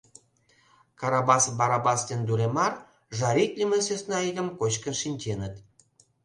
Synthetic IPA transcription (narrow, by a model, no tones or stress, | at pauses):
kɑɾɑbɑsbɑɾɑbɑsd̪end̪uɾemɑr | ʒɑɾʲikʲlʲimesesnɑiɣəmkot͡ɕkənʃinʲt͡ɕenət̪